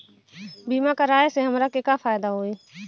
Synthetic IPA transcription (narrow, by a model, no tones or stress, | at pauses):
biːmakaɾaːjseɦɐmɾakekafaːjd̪aɦoːeː